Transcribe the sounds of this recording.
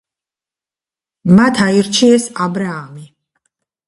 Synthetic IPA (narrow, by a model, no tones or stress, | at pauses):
mat̪ʰaiɾt͡ʃʰiɛsabɾaːmi